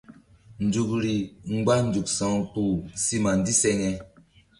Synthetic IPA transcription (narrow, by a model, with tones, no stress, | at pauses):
n̩˨d͡zu˨k̚ɾi˨ŋ̩˦ɡ͡ba˦n̩˦d͡ʒu˨ksɔ˦ŋpu˦˨si˦ma˨n˦di˦sɛ˦ŋɛ˦